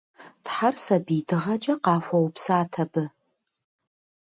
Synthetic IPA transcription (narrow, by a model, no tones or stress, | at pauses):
tħarsɐbiːdɨʁɐd͡ʒʼɐqɑːfʷɐwpʰsaːtʰɐbɨ